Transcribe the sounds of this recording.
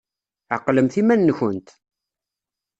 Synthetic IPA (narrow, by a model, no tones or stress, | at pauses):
ʕə̰qləmθimænːçənt̪